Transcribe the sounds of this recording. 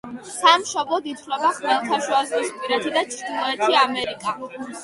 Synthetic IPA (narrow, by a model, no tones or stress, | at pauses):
samʃɔblˠɔd̪it̪ʰvlɛbaχmɛlˠt̪ʰaʃuazɾispʼiɾɛt̪ʰid̪at͡ʃʰɾd̪inɔɛt̪ʰiamɛɾikʼa